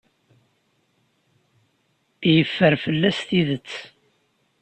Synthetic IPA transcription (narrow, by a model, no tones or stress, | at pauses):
jəfːəɾfəlːæst̪iðət͡sː